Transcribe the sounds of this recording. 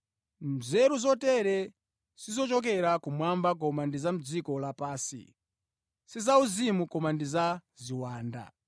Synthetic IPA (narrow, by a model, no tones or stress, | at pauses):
mzɛɾuzɔtɛɾɛ | sizɔt͡ʃɔk̬ɛɾakumwambak̬ɔmandizam̩d͡zikɔlapaːsḭ | sizauzimukɔmandizaziwaːnda̰